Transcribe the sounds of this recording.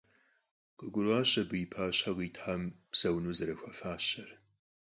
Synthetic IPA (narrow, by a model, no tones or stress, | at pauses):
qʼɨɡʷʊrʷaːɕɐbɨjɪpʰaːɕħaʁiːtʰħampsɐwnuːzɐɾɐxʷɐfaːɕɐr